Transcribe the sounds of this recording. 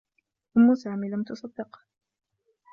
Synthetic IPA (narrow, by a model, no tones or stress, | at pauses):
ʔʊmːʊsaːmiːlamt̪ʊsˤɑd̪ːɪq